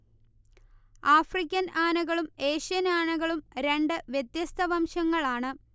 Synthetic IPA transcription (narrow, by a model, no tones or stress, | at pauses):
aːfrikʲːɐnaːnɐɣɐɭume̞ːɕijɐnaːnɐɣɐɭumɾe̞ɳɖɨʋjet̪jɐst̪ʰɐʋɐmɕɐŋːɐɭaːɳɨ